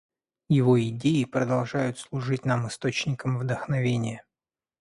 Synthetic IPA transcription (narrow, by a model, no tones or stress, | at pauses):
jɪvoɪdʲeɪpɾəd̪ɐlˠʐajʊt̪slˠʊʐɨtʲnamɨst̪o̞t͡ɕnʲɪkəmvd̪əxnɐvʲenʲɪjə